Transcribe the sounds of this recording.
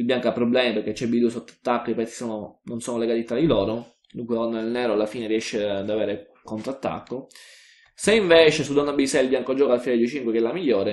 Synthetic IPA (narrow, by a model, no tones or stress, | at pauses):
ilbjaŋkoapːɾoblɛːmipeɾket͡ʃːɛbid̪usot̪ːḁt̪ːakːoipɛt̪sːi̥soːnononsoːnoleɡaːt̪it̪ɾad̪iloːɾo | d̪uŋkwelonːad̪elnɛːɾoalːafiːneriɛʃːed̪aveːɾe | kont̪ɾat̪ːa̰kːo | seiɱveːt͡ʃesud̪ɔnːabisɛilbjaŋkod͡ʒɔːkalfined̪uet͡ʃiŋkwekɛlːamiʎːoːɾe